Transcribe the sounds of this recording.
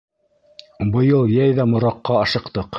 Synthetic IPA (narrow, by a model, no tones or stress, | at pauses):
bɤ̆jɤlˠjæjðæmŏɾɑqːɑɑʃɤ̆qt̪ɤq